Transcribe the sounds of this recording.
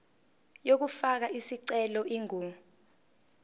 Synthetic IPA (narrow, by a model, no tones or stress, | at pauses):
jok̬ufak̬aisiǀɛlɔʔiŋʱuːmu